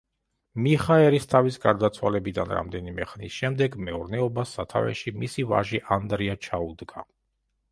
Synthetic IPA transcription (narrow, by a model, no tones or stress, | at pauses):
miχaɛɾist̪ʰavisɡaɾd̪at̪sʰwalɛbid̪a̰nɾa̰md̪ɛnimɛχnisʃɛmd̪ɛɡmɛuɾnɛɔbasːat̪ʰa̰vɛ̰ʃimisiva̰ʒiʔand̪ɾiat͡ʃʰaud̪ɡa